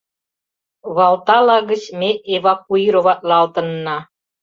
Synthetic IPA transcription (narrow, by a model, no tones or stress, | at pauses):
βɑlˠt̪ɑlɑɣə̆t͡ɕmeeβɑk̚uiɾoβɑt̪̚lɑlt̪ə̆nːɑ